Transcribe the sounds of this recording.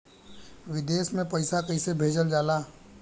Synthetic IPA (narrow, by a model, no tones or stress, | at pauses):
ʋɪd̪eːsmẽpəɪsakəisebʱeːd͡ʒəld͡ʒaːlaː